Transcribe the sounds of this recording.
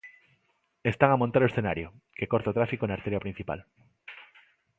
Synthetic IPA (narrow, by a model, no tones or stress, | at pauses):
est̪aŋamõnt̪aɾoesθenaɾjokekoɾt̪aot̪ɾafikonaɾt̪eɾjapɾin̟θipa̰l